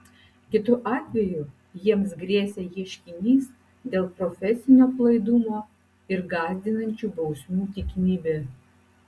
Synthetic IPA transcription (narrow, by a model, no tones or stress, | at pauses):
kʲɪt̪ʊʔɑːt̪ʲʋʲɛju | jiɛms̬ɡɾʲiɛsʲeːjʲiɛʃʲkʲɪnʲiːs | d̪ʲeːlˠpɾɔfʲɛsʲɪnʲoːplˠɐɪd̪ʊmoː | ɪɾɡɑːzʲd̪ʲɪnɐnʲt͡ʃʲubɐʊsʲmʲuːt̪ʲikʲɪnʲiːbʲeː